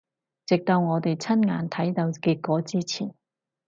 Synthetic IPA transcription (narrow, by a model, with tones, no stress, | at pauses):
t͡sɪ˨k̚t̪ɐ˨˧wŋɔː˨˧t̪e˨jt͡sʰɐ˥nŋa̰ː˨˧nt̪ʰɐ˨˥jt̪ɐ˨˧wkiː˧t̚kːɔː˨˥t͡siː˥t͡sʰiː˨˩n